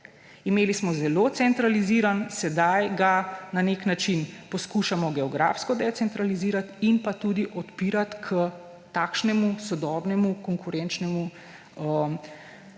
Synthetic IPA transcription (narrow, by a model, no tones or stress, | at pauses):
imeːlismɔzɛloːt̪sɛnt̪ɾaliziɾansɛd̪ajɡananeknat͡ʃinpɔskuːʃamɔɡɛɔɡɾa̰fskɔd̪ɛtsɛnt̪ɾaliziːɾat̪inpat̪uːd̪iʔɔt̪piːɾat̪kʰə | t̪aːkʃnɛmusɔd̪ɔːbnɛmukɔŋkuɾɛnt͡ʃnɛmu | ə